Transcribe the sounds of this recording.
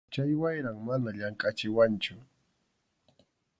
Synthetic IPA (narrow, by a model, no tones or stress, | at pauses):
t͡ʃajwajɾaŋmanaʎaŋkʼat͡ʃɪwant͡ʃʊ